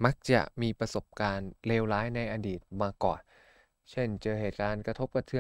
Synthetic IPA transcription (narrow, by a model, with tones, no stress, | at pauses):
ma˦˥k̚t͡ɕa̰˨˩ʔmiː˧pɾa˧so˨˩p̚kaː˧nleː˧wlaː˦˥jna˧jʔaː˧diː˨˩t̪̚maː˧kɔ̰ː˨˩n | t͡ɕʰe˥˩nt͡ɕɤː˧ɦeː˨˩t̪̚kaː˧nkɾa˧t̪ʰo˦˥p̚ka˧t̪ʰɯ˧˥